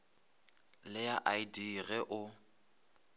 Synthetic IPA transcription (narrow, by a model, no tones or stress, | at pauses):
lɪjaʔaidiɣɛʔʊ